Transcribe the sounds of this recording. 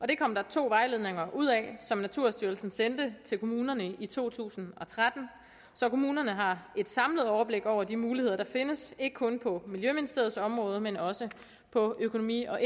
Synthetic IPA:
ʔɒ̽d̥e̝kʰɒ̽m̰d̥ɑ̈t͡sʰo̝̰ːʋɑ̈ɪle̝ð̞ˠne̝ŋɐʔuð̞̰ˠɛsɒ̽mnæt͡sʰuɐ̰sd̥yɐlsn̩send̥ət͡sʰe̝lkʰo̝muːnɐnəit͡sʰo̝̰ːt͡sʰṵːsn̩ɒ̽t͡sʰʁad̥n̩ | sɒ̽kʰo̝muːnɐnəɦɑ̈e̝d̥sɑ̈mləð̞̩ˠɒʊɐb̥le̝ɡ̥ɒʊ̰ɐd̥imuːlihe̝ð̰ˠɐd̥ɑ̈fe̝nəse̝ɡ̥əkʰɔ̽npʰɒ̽miljøminisd̥e̝ɐð̞̩ˠsɒ̽mʁɔ̽ːð̞ˠmenɒ̽sə | pʰɒ̽økʰo̝no̝mḭːɒ̽ʔe

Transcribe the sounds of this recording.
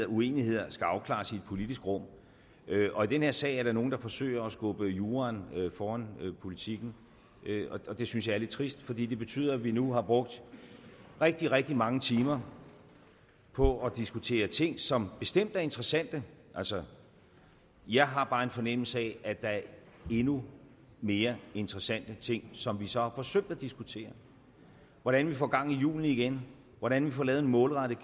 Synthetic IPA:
ɐue̝̰ːnihe̝ð̰ˠɐsɡ̥æɑ̈ʊkʰlɑ̰̈ːsid̥̚pʰo̝lid̥isɡ̥ʁɔ̽m̰ | ʔøʔɒ̽id̥enhe̝ɐ̰sɛ̰ɪæɐɾɑ̈no̝ːn̩d̥ɑ̈fɒ̽sø̰ːɐɒsɡ̥ɔ̽b̥əjuːʁɑnøfɒːænpʰo̝lit͡sʰiɡ̥n̩ | ɒ̽ɒ̽d̥e̝synsjɑ̈ɪæɐle̥t͡sʰʁisd̥fɒ̽d̥ḭːd̥e̝b̥e̝t͡sʰy̰ð̰ˠɐæʋinuɦɑ̈b̥ʁɔ̽ɡ̥̚d̥ | ʁɛɡ̥̚d̥iʁɛɡ̥̚d̥imɑ̈ŋət͡sʰiːmɐ | pʰɒ̽ɒd̥isɡ̥ut͡sʰe̝̰ːɐt͡sʰe̝ŋ̰sɒ̽mb̥e̝sd̥em̰d̥æɐe̝nd̥ʁɛsæn̰d̥əʔælsɒ | jɑ̈ɪɦɑ̈b̥ɑ̈ːe̝nfɒ̽nem̰l̩səɛʔæd̥ɑ̈æɐ | e̝nu | me̝ːɐe̝nd̥ʁɛsæn̰d̥ət͡sʰe̝ŋ̰sɒ̽mʋisɒ̽hɑ̈fɒ̽søɡ̥̚d̥æd̥isɡ̥ut͡sʰe̝̰ːɐ | ʋɒɾ̥ænʋifɒ̰ːɡ̥ɑ̈ŋ̰ijṵːln̩iɡ̥en | ʋɒɾænʋifɒ̰lɛːð̩enmɔ̽ːlʁɑ̈ɾ̥ə

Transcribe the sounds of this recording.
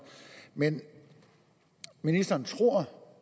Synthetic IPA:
men | minisd̥ɐːnt͡sʰʁo̝ɐ̰

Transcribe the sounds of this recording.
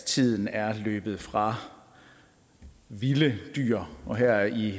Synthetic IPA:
t͡sʰið̞̰ˠn̩æɐlø̰ːb̥ð̞̩ˠfʁɑ̈ | ʋiləd̥y̰ːɐɒ̽ɦæɐ̰i

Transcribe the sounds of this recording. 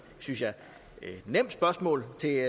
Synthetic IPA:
synsjɑ̈ | nem̰d̥sb̥ɶɐsmɔ̰̽ːlt͡sʰe̝

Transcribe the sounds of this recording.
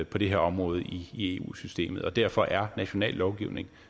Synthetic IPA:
pʰɒ̽d̥e̝ɦe̝ɐɒ̽mʁɔ̽ːð̞̩ˠiːe̝ːṵːsysd̥e̝̰ːmð̩ˠɒ̽d̥æɐ̰fɒ̽ʔæɐnæɕo̝nɛ̰ːlːɒʊɡ̥iʊne̝ŋ

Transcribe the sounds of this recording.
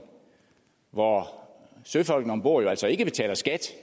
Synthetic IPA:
ʋɒ | søfɒ̽l̰ɡ̥n̩ɒ̽mb̥o̝ɐ̰jo̝æl̰sɒe̝ɡ̥əb̥e̝t͡sʰɛ̰ːlɐsɡ̥æd̥

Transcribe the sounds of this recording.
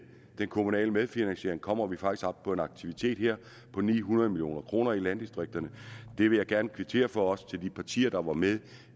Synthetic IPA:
d̥enkʰo̝munɛ̰ːləmeð̞ˠfinænɕe̝ɐ̰e̝ŋkʰɒ̽m̰ɐʋifɑ̈ɡ̥isɡ̥ɒ̽b̥̚pʰɒ̽e̝nɑ̈ɡ̥̚t͡sʰiʋit͡sʰe̝̰ːd̥heɐ̰ | pʰɒ̽nḭːɦunɐðˠmiljo̝̰ːnɐkʰʁo̝ːnɐilænd̥isd̥ʁeɡ̥̚d̥ɐnəd̥e̝ʋe̝jɑ̈ɪɡ̥æɐnəkʰʋit͡sʰe̝̰ːɐfɒ̽ɒ̽st͡sʰe̝ld̥ipʰɑ̈t͡sʰḭːɐd̥ɑ̈ʋɑ̈meðˠ

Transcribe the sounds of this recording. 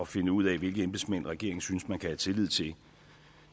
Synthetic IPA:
ɒ̽fe̝nəuð̰ˠɛʋe̝lɡ̥əemb̥e̥smæn̰ʁaɡ̥e̝̰ɐe̝ŋsynəsmænkʰæhæt͡sʰe̝lið̰ˠt͡sʰe̝l

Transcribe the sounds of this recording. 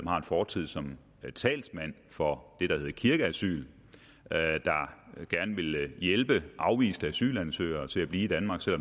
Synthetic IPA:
ɒmhɑ̈e̝nfɒːt͡sʰið̞̰ˠsɒ̽m | t͡sʰɛ̰ːlsmæn̰ | fɒ̽d̥e̝ɾ̥ɑ̈he̝ðˠkʰiɐɡ̥əæsy̰ːl | ød̥ɑ̈ɡ̥æɐnəʋe̝ljelb̥əʔɑ̈ʊʋḭːsd̥əæsy̰ːlænsø̰ːɪɐt͡sʰe̝æb̥liːid̥ænmɑ̈ːɡ̥sel̰ɒ̽m

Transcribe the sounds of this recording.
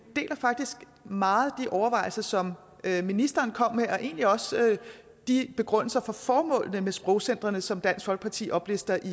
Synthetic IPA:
d̥e̝̰ːlɐfɑ̈ɡ̥̚d̥isɡ̥ | mɑ̈ːð̩ˠd̥iʔɒʊɐʋɑ̈ɪ̰l̩sɐsɒ̽m | øminisd̥ɐːnkʰɒ̽m̰meʔɒ̽ʔe̝ːnliɒ̽sø | d̥ib̥e̝ɡ̥ʁœn̰l̩sɐfɒ̽fɒːmɔ̰̽ːl̰nəmesb̥ʁɔʊsen̰d̥ʁɐnəsɒ̽md̥æn̰sɡ̥fɒ̽lɡ̥əpʰɑ̈t͡sʰḭːʔɒ̽b̥lesd̥ɐʔi

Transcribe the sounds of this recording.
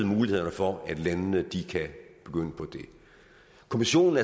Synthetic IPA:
ð̩ˠmuːlihe̝ð̰ˠɐnəfɒæd̥lænnəd̥ikʰæb̥e̝ɡ̥øn̰əpʰɒ̽d̥e̝ | kʰomiɕo̝̰ːn̩æɐ

